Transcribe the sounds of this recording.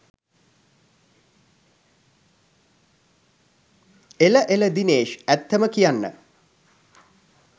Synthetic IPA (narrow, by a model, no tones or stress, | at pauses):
eləʔeləd̪ineːʃæt̪ːəməkijanːə̰